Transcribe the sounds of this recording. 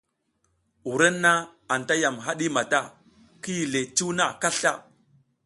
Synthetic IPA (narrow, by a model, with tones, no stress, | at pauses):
u˨ɾe˦nːa˦ | a˨nta˦ja˨mɦa˦ɗi˦ma˨ta˦˨ | ki˦ji˨le˨t͡ʃu˦wna˦˨ka˦ɬa̰˦